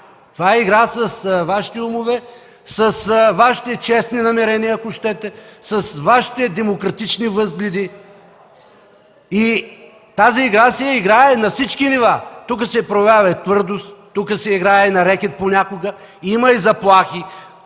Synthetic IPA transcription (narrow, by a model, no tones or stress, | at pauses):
t̪ovaɛiɡɾasɐsvaʃi̥t̪ɛumovɛ | sɐsvaʃi̥t̪ɛt͡ʃɛsninɐmɛɾɛniɐːkʊʃt̪ɛt̪ɛsɐsvaʃi̥t̪ɛd̪ɛmokɾɐt̪it͡ʃnivɤzɡlʲɛd̪i | i | t̪aziːɡɾasɛɛiɡɾaɛnɐfsit͡ʃkinivat̪ukəsɛpɾojɐvʲjavɐɛt̪vɤɾd̪ost̪t̪ːukəsɛiɡɾainɐɾɛkʲɛt̪̚ponʲakoɡə | imɐizɐplˠaxi